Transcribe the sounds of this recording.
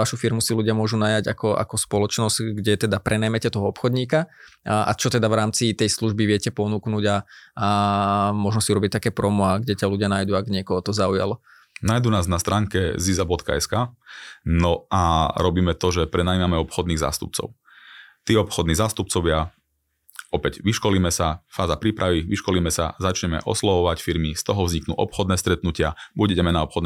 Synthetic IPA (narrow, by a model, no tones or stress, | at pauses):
aʃufiɾmusiluɟɪamʊɔʒunajaɟa̰kɔʔa̰kɔspɔlɔt͡ʃnɔzɟɡɟɛt̪ɛd̪apɾʔɛnɛmɛcɛt̪ɔɦɔɔpxɔd̪ɲiːka | ʔa̰t͡ʃɔt̪ɛd̪avɾaːmt͡sit̪ɛjsluʒbiʋɪɛcɛpɔnuːknuːɟa | mɔʒnɔsiuɾɔbic̚t̪akɛːpɾɔmɔaɡɟɛcaluɟɪanajd̪uaɡɲɪɛkɔɦɔt̪ɔzauja̰l | najd̪unaːznast̪ɾaːŋkɛ̰zizabɔt̪ka̰ɛskaːnɔʔaɾɔbiːmɛt̪ɔʒɛpɾɛnaimamɛɔpxɔd̪niːɣza̰ːst̪up̚t͡sɔ̰ʊ | t̪iːɔpxɔd̪niːzaːst̪up̚t͡sɔʋɪa | ɔpɛɟʋiʃkɔliːmɛsafaːzapɾiːpɾʔaʋiʋiʃkɔliːmɛsa̰zat͡ʃɲɛmɛ̰ʔɔ̰slɔʋɔʋacfiɾmist̪ɔɦɔvzɲiknṵːʔɔ̰pxɔd̪nɛːst̪ɾɛt̪nucɪabuɟɛɟɛmɛnaɔpxɔd̪n